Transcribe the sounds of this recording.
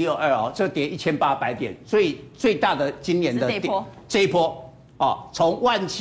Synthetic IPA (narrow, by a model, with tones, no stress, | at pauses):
jo˥˩ʔə˞˥˧ɔ˨˩ʈ͡ʂɤ˥˨t̪jɛ˨˩ni˥˩t͡ɕʰjɛ˦npa˦pa˧˦ɪt̪jɛ̰˨˩nswɔ˦˥i˨˩t͡swe˥˧ɪt̪a˥˩d̪ə˩t͡ɕi˦nnjɛ˨˦nd̪ə˧˦ʈ͡ʂi˥pʰwɔ˦˥ | ɔ˥˨t͡sʰʊ˧˦ŋwa˥˨nt͡ɕʰ